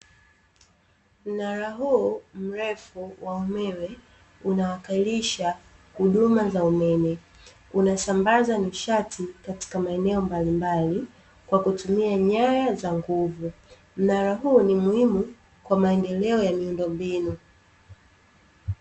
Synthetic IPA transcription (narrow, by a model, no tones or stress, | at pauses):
m̩naɾaɦuɔm̩ɾɛfuwaumɛwɛ | unawakailiʃa | huɗumazaumɛmɛ | unasambazaniʃatʰikati̥kamaɛnɛɔmbalimbali | kwakutumiaɲajazaŋɡuvu | m̩naɾaɦuːnimuhimu | kwamaɛndɛlɛɔjamiundɔmbinu